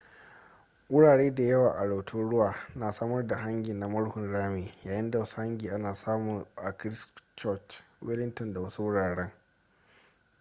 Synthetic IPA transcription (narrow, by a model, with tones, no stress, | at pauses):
ʔʊ˦ɽaː˨ɽeː˦da˨jɐ˦waː˨ʔa˨ɽa˨wtʰʊ˦ɽʊ˦waː˨naː˨saː˦mɐ˦rda˨ɦa˦ŋɡʲɪ˨na˨˦mɐ˦ɽhʊ˨nɽaː˦meː˨jaː˨jɪ˦nda˨wɐ˦su˦ha˦ŋɡʲiː˨ʔa˦naː˨saː˦mʊ˨ŋʔa˨kɾɪ˦st͡ʃɔ˦t͡ʃwɪ˦lɪ˦ntɔ˨nda˨wɐ˦su˦wʊ˦ɽaː˨ɽɛ˦ŋ